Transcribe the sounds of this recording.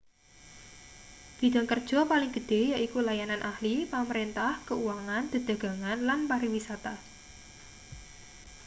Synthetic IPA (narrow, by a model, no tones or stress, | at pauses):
d̪̥i̤d̥̪a̤ŋkərd̥ʒ̥ɔ̤palɪŋɡ̥ə̤d̪̥e̤jaʔikulajananʔahlipaməɾint̪ahkəuwaŋand̪̥ə̤d̥ä̤ɡ̥a̤ŋanlanpaɾiwisat̪a